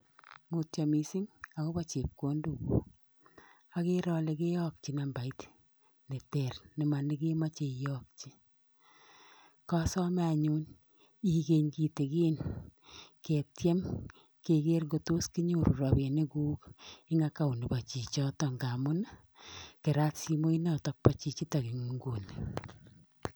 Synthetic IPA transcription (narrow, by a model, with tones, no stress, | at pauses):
mo˨ta˨mi˨si˦ŋa˨ko˦ba˦t͡ʃe˨p̚ko˦nduko˦ | a˦ke˦ɾɔ˧le˨ke˦jɔ˦k̚t͡ʃi˨na˨mba˨it | ne˨tɛ˨rnɪ˨ma˨ni˦ke˦ma˦t͡ʃe˨jɔ˦k̚t͡ʃi˦ | ka˦sɔ˦m˦a˨ɲu˦n | i˨ke˨ɲki˨te˨keː˦n | ke˨tjɛ˦m | ke˨ke˦rɡo˨to˦ski˦ɲu˦ɾu˨ɾɔ˨be˨ne˦kuː˦ki˦ŋa˦ka˦˨u˨ni˨ba˨t͡ʃi˨t͡ʃɔ˦tɔ˦˨ŋɡa˨mʊ˦na˦ | ke˨ɾa˦tsi˧mo˦i˦na˦tɔ˨k̚pa˦t͡ʃi˦t͡ʃi˦ta˨ki˨ŋ˨ŋɡu˨ni